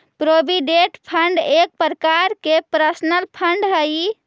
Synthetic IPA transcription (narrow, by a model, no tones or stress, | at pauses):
pɾobiɖeʈpʰəɳɖek̚pəɾkaɾkepɾəsnəlpʰəɳɖɦəj